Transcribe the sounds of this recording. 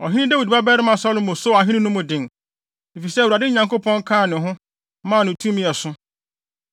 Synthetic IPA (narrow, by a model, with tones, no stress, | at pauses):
ɔ̰˨ɦɪ̃˦ɪ̃˦dɛ˦wi˨dba˦bɛ˦ɾɪ˦mã˨sɔ˦lʊ̃˦mʊ̃˨so˦˨a˨ɦɪ̃˦nɪ̃˦nʊ̃˦mʊ̃˨dɪ̃˨ŋ˨ | e˨fi˨sɛ˦˨wu˨a˨dɪ˦ɲã˨ŋko˦pʰɔ̃˦ŋ˦kʰãː˦˨nɪ̃˨ɦʊ̃˦ | mãː˦˨nʊ̃˨tʰũ˦mĩ˦ɛ˨sʊ˦